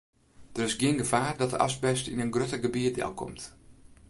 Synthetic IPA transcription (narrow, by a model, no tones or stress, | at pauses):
d̥ərɪsɡjɪənɡəvaːrdɔt̚də̰ʔɑ̰sbɛstinənɡrøtəɡəbiədɛ̰lˠkʰɔ̰mt